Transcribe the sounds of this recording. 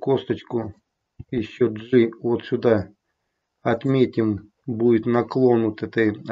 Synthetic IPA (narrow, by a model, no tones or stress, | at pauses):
kɔst̪ɐt͡ʃkʊ | iʃt͡ʃɔʒɪɔt̪sʲʊd̪ɑ | ɐt̪mʲet̪ʲɪm | buj̪ɪt̪ʲnɐklˠɔnʊt̪ɪt̪ɪ